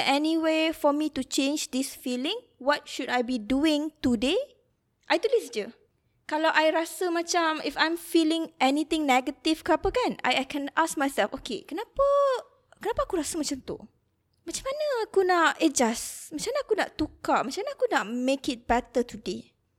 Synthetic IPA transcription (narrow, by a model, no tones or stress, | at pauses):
ʔɛniwefɔmitut͡ʃẽnd͡ʒd̪ɪsfilɪ̃ŋ | wɔt̚ʃudajbiduɪ̃ŋt̪ude | ʔajt̪ulisd͡ʒə | kalawʔajɾasəmãt͡ʃamifãjmfilɪ̃ŋɛnit̪ɪ̃ŋnɛɡət̪ifkəapəkana̰jajkʰɛ̃nʔask̚majsɛlfʔokʰḛkənapə | kənapaːkuɾasəmat͡ʃamt̪ṵ | mat͡ʃamanəakunaʔɛd͡ʒasmat͡ʃamnaakuna̰ʔt̪ukamat͡ʃamnaːkunat̚mekɪt̚bɛt̪ət̪ude